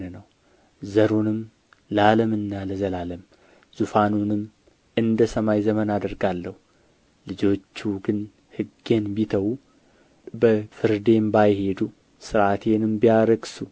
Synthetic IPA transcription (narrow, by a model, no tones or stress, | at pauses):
ənəw | zəɾunɨm | laləmɨnːaləzəlaləm | z̥ufanunɨm | ɨnd̪əsəmajzəmənad̪əɾɡalːəhu | lɨd͡ʒo̞t͡ʃːuɡɨn | hɨɡenbit̪ʰəwu | bəfɨɾd̪e̞mbajhe̞d̪u | sɨɾat̪ʰe̞nɨmbijaɾəɡsu